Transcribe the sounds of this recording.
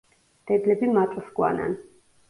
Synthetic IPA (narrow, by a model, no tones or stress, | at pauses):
d̪̥ɛd̪lɛbimat̪ʼsɡwa̰na̰n